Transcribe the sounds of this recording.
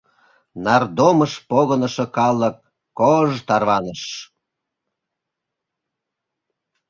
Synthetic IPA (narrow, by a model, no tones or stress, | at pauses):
nɑrd̪oməʃpoɣənəʃə̆kɑləkː | oʒt̪ɑrβɑnəʃ